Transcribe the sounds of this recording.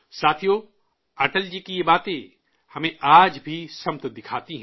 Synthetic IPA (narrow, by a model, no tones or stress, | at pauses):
saːt̪ʰijo | aːʈəld͡ʒikijebaːt̪ẽ | hɐmẽʔaːd͡ʒbʱisɐmt̪d̪ɪkʰaːt̪iɦɛ̃